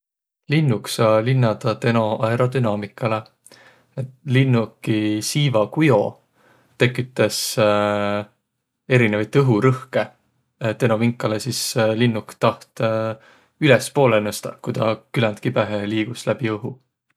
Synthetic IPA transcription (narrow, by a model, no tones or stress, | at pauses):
linːuksɑːlinːɑd̪̥ɑt̪e̞no̞ɑeɾo̞d̪̥ynɑːmikːˑɑle̞ | et̪linːukːisiːvɑkujo̞̰ | t̪e̞kːˑit̪ːˑes | e̞ɾinevɑjt̪ːˑɤɦuɾɤhke̞ | t̪e̞no̞viŋkːˑɑlesislinːukt̪ɑht̪ | ylɛspo̞ːlenost̪ɑ̰kujd̪ɑkylænt̪kipæɦeliːɡ̥uslæb̥iɤɦu